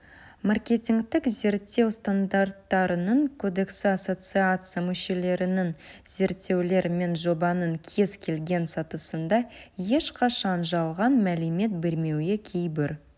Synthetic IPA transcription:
markʲe̞t̪ʲiŋkt̪ɪkze̞ɾt̪ːe̞wst̪and̪art̪ːɑɾənəɴkʰo̞d̪e̞ksəaso̞t̪sɨat̪sɨjamɵʃe̞le̞ɾɪnɪŋze̞ɾt̪ːe̞wle̞ɾme̞nʒo̞bɑnəŋkʲʰe̞zkʲʰe̞lɡʲe̞nsɑt̪əsənd̪ɑje̞ʃqʰɑʃɑnʒɑlˠʁɑnmæleme̞t̪̚be̞ɾme̞wekʲʰe̞jbɪɾ

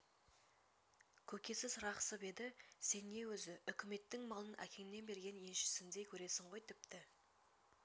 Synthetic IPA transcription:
kʲʰɵkʲe̞sɪzɾɑqsəpe̞d̪ɪse̞nːe̞wɵzɪʏkʲʰɪme̞t̪ːɪŋmɑlˠənæ̰kʲʰe̞ŋɪnːe̞nbe̞ɾɡʲe̞nje̞nʃɪ̥sɪnd̪e̞jkʲʰɵɾe̞sɪɴʁo̞jt̪ʰɪp̚t̪ɪ

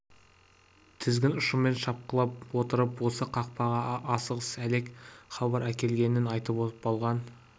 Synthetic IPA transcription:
t̪ʰɪzɡʲɪnʊʃəmme̞nʃɑp̚qəlˠɑp̚wo̞t̪əɾəpwo̞səqʰɑq̚pɑʁɑʔɑsəʁəsæle̞kχɑbɑɾækʲe̞lɡʲe̞nɪnɑjt̪əpopɑlˠʁɑn

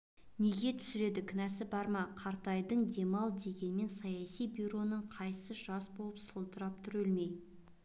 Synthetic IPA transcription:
ne̞ɡʲe̞t̪ʰʏ̥sɪɾe̞d̪ɪkʲʰɪnæsɪbɑɾmɑqʰɑɾt̪ɑjd̪əɴd̪e̞mɑlˠd̪e̞ɡʲe̞nɪme̞nsɑjɑsijbuɾo̞nəɴqʰɑjəsəʒɑsbo̞lˠəpsəlˠt̪əɾɑp̚t̪ʰʊɾɵlme̞j

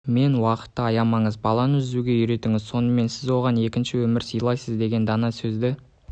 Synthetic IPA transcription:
me̞nwɑqə̥t̪ːəɑjɑmɑɴəzbɑlˠɑnəʏzd̪uɡʲe̞jʏɾe̞t̪ɪŋɪzso̞nəme̞nsɪzwo̞ʁɑne̞kʲɪnʃɪwɵmɪɾsijlˠɑjsəzd̪e̞ɡʲe̞nd̪ɑnɑsɵzd̪ɪ

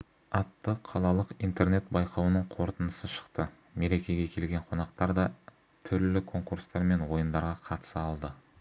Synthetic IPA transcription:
ɑt̪ːəqʰɑlˠɑlˠəqijnt̪e̞ɾne̞t̪bɑjqʰɑwənəɴqʰo̞ɾt̪ənəsəʃə̥qt̪ə | me̞ɾe̞kʲe̞ɡʲekʲʰe̞lɡʲe̞ɴqʰo̞nɑq̚t̪ɑɾd̪ɑ | t̪ʰʏɾlɪkʰo̞ŋkuɾst̪ɑɾme̞nwo̞jənd̪ɑɾʁɑqʰɑt̪ə̥sɑlˠd̪ə

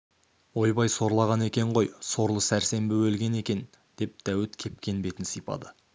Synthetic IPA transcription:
wo̞jbɑjso̞ɾlˠɑʁɑne̞kʲe̞ɴʁo̞jso̞ɾlˠəsæɾse̞mbɪwɵlɡʲe̞ne̞kʲe̞n | d̪̥e̞p̚d̪̥æwɪt̪kʲʰe̞p̚kʲʰe̞nbe̞t̪ɪnsijpɑ̰d̪ə

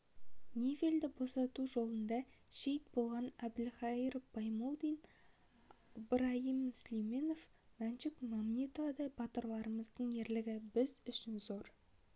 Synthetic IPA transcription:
nʲevʲe̞ld̪ɪbo̞sɑt̪uʒo̞lˠənd̪ɑʃe̞jt̪̚bo̞lˠʁɑnɑb̪ɪlχɑiɾb̥ɑjmolˠd̪ijn | bɾɑhimːʏslijmeno̞f | mænʃɪkmɑmnit̪ovɑd̪ɑjbɑt̪əɾlˠɑɾəməzd̪əɴe̞ɾlɪɡʲɪbɪzʏʃɪnzo̞ɾ

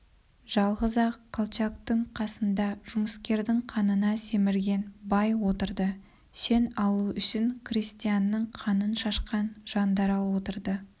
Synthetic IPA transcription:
ʒ̥ɑlˠʁəzɑkʰolˠt͡ʃak̚t̪əɴqʰɑsənd̪ɑʒ̥ʊməskʲe̞ɾd̪ɪɴqʰɑnənɑse̞mɪɾɡʲe̞nbɑjwo̞t̪əɾd̪ə | ʃe̞nɑlˠuʏʃɪŋkrʲisʲt̪ijanːəɴqʰɑnənʃɑʃqɑnʒ̥ɑnd̪ɑɾɑlˠwo̞t̪əɾd̪ə

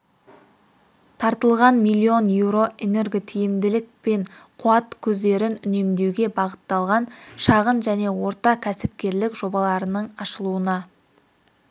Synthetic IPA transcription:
t̪ʰɑɾt̪əlˠʁɑnmijlʲˠːio̞njewɾo̞ʔene̞rɡʲit̪ʰijɪmd̪ɪlɪk̚pe̞ɴqʰuɑt̪kʲʰɵzd̪e̞ɾɪnʏne̞md̪e̞wɡʲe̞bɑʁət̪ːɑlˠʁɑnʃɑʁənʒæne̞wo̞ɾt̪ɑkʲʰæsɪp̚kʲe̞ɾlɪkʒo̞bɑlˠɑɾənəɴɑʃəlˠuənɑ

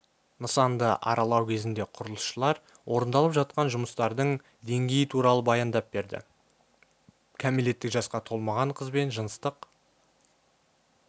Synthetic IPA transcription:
nəsɑnd̪əʔɑ̰ɾɑlˠɑwkʲʰe̞zɪnd̪e̞qʰʊɾəlˠəsʃəlˠɑɾ | wʔo̞ɾənd̪ɑlˠəpʒɑt̪̚qɑnʒʊməst̪ɑɾd̪əɴ | d̪e̞ŋɡʲe̞jɪt̪ʰuɾɑlˠəbɑjɑnd̪ɑp̚be̞ɾd̪ɪ̰ | kʲʰæmele̞t̪ːɪkʒɑsqɑt̪ʰo̞lˠmɑʁɑɴqʰəzbe̞nʒənəst̪əq

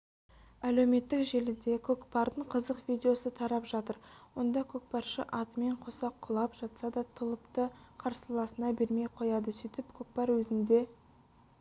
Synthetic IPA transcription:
æle̞wme̞t̪ːɪkʒe̞lɪd̪e̞kʲʰɵkpɑɾd̪əɴqʰəzəqvʲijd̪ʲe̞o̞sət̪ʰɑɾɑpʒɑt̪əɾwo̞nd̪ɑkʲʰɵk̚pɑɾʃə̰ʔɑt̪əme̞ɴqʰo̞sɑqʰːʊlˠɑpʒ̥ɑt̪sɑd̪ɑt̪ʰəlˠəpt̪əqʰɑɾsəlˠɑsənɑbe̞ɾme̞jqʰo̞jɑd̪əsʏjt̪ɪpkʲʰɵk̚pɑɾwɵzɪnd̪e̞

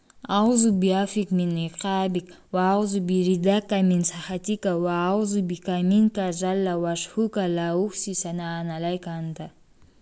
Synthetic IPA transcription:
awzubiafikmineqabik | waːwzubiɾid̪akːaminsaxat̪ʲikawaːwzubikaminkaʒalːawaʃhukalauksisanaːnalajkant̪a

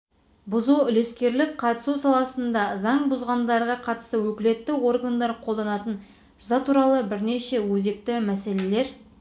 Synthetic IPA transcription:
bʊzuʏle̞skʲe̞ɾlɪkqʰɑt̪ə̥susɑlˠɑsənd̪ɑzɑɴbʊzʁɑnd̪ɑɾʁɑqʰɑt̪ə̥st̪əwɵkʲɪle̞t̪ːɪwo̞rɡand̪ɑɾqʰo̞lˠd̪ɑnɑt̪ən | ʒʊzɑt̪ʰuɾɑlˠəbɪɾneʃe̞wɵze̞k̚t̪ɪmæse̞le̞le̞ɾ

